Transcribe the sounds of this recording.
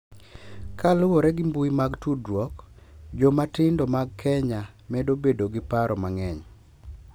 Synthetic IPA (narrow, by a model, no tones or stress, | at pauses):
kalʊwoɾɛɡɪmbuimaɡtudɾwɔkd͡ʒomatɪndomaɡ̚kʰɛɲa | mɛdobedoɡɪpaɾɔmaŋɛɲ